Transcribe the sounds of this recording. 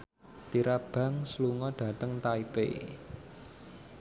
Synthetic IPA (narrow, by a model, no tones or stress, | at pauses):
t̪iɾab̥ä̤ŋsluŋɔɖ̥ä̤t̪əŋt̪aipḛ